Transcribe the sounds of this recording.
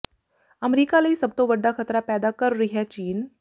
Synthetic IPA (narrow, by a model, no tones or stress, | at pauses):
əmɾiːkaləisəbt̪oʋɐɖʱːakʰɐt̪ɾapɛːd̪akɐɾɾiɦiɦɛt͡ɕiːn